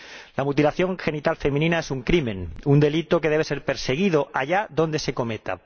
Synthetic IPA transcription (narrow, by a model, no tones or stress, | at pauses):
lamut̪ilaθjo̞ŋxe̞nit̪alfe̞mĩnĩnae̞suŋkɾimẽ̞nund̪e̞lit̪o̞ke̞ð̞e̞βese̞ɾpe̞ɾse̞ɣ̞iðoaʝaðo̞nd̪e̞se̞ko̞me̞t̪a̰